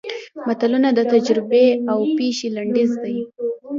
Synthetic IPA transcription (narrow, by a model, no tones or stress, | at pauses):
mat̪alunad̪ət̪ad͡ʒɾɪbeawpeʃilaɳɖɪzd̪aj